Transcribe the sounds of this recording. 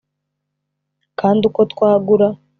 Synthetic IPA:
kaːnduko̞t̪kwaːɡuɾa

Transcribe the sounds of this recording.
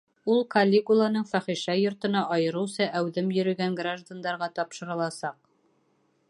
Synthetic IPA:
ulˠkɐlʲːekulˠanɤɴfæχiʃæjŏɾt̪ɤ̆nɑʔɒjɤ̆ɾɤ̆wsɑʔæwðɘmjɵ̆ɾɵ̆ɡæŋɡraʒd̪and̪ɑɾʁɑt̪ɒpʃɤ̆ɾɤ̆lˠɑsɑq̚

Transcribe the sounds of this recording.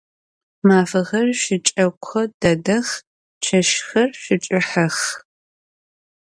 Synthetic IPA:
maːfɐʁɐrʃɪt͡ʃʼɐkʷxɐd̥ɐdɐx | t͡ʃʰɐʃxɐrɕɪt͡ʃʼɪħɐx

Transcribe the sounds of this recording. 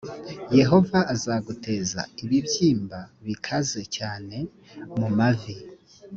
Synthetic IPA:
je̞ɦo̞vaːzaɡutʰe̞ːza̰iβibjiːmbaβikʰaze̞caːne̞ | mumavi

